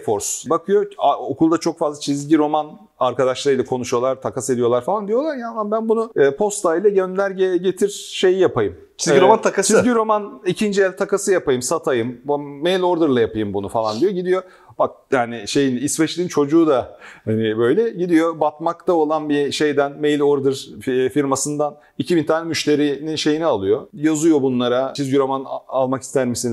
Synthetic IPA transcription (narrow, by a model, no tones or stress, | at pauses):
foɾsbakʰɯjo̞aokʰulˠd̪at͡ʃʰo̞kfazlˠat͡ʃʰizɟiɾo̞man | aɾkad̪aʃlˠaɾɯjlˠakʰo̞nuʃujo̞lˠaɾt̪ʰakasɯed̪ijo̞lˠaɾfalˠand̪ijo̞lˠaɾjanlˠanbænbunuːpʰo̞st̪ʰaijlʲˠɛɟønlʲæɾɟɛɟe̞t̪ʰiɾ̥ʃe̞jijapʰajɯm | t͡ʃʰiziɾomant̪ʰakast͡ʃʰizɟiɾo̞manicʰind͡ʒijælʲt̪ʰakasɯjapajɯmsat̪ʰajɯmːejlʲoɾd̪ɯɾlˠajapajɯmbunufalˠand̪ijo̞ɟid̪ijo̞ | bak̚jaːnɪʃe̞jinisvɛt͡ʃlʲiːnt͡ʃʰo̞d͡ʒuːd̪ahanɪbø̞jlʲɛɟid̪ijo̞bat̪̚makt̪ʰao̞lˠanbiʃe̞jd̪ænmejlʲoɾd̪ɯɾfiɾmasɯnd̪an | icʰibint̪ʰaːnʲɛmyʃt̪ʰe̞ɾininʃe̞jinɛalˠɯjo̞jazujo̞bunlˠaɾat͡ʃʰizɟyɾo̞manalˠmaki̥st̪ʰæɾmisin